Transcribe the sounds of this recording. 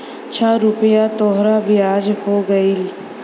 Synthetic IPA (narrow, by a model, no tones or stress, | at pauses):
t͡ʃʰaɾʊpəjaːt̪oːɦɾabʱiaːd͡ʒɦoːɡəil